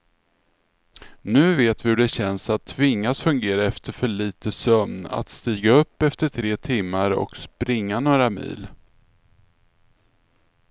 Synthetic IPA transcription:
nʉ̟ːveːt̪vɪhɵɖɛɕɛnsat̪ʰːvɪŋːasfɵŋɡeːɾaɛft̪əɾfœɭiːt̪əsœmna̰t̪st̪iːɡaɵpːɛft̪əʈʰɾeːt̪ʰɪmːaɾɔ̰kspɾɪŋːanoːɾamḭːl

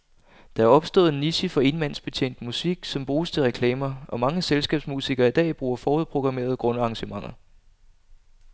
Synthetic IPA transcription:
d̥ɑ̈æɐɒ̽b̥sd̥ɔ̰̽ːð̩ˠenisifɒ̽e̝nmæn̰sb̥e̝t͡ɕʰe̝̰ːn̰d̥musiɡ̥sɒ̽mb̥ʁuːst͡sʰe̝lʁɛkʰlɛːmɐɒ̽mɑ̈ŋəselsɡ̥ɛ̰ːb̥smusiɡ̥ɐid̥ɛ̰ːb̥ʁuːɐfɒːuð̞̩ˠpʰʁo̝ɡ̥ʁɑ̈me̝̰ːɐð̞ˠɡ̥ʁɔ̽nəɑ̈ŋɕəmɑ̈ŋ̰ɐ

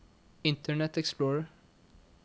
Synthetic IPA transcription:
ɪnt̪əɳɛt̪ɛksploːɾ

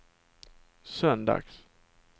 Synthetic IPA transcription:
sœnd̪a̰ɡs

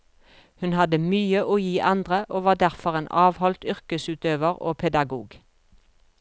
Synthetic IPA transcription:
hʉnhɑd̪əmyːəʔoːjiːʔɑnd̪ʁəʔoːʋɑːd̪æʁfɔʁeːnʔɑːʋhɔlt̪ʏʁkəsʉːt̪øːʋəʁo̰ːpʰɛd̪ɑɡuːɡ

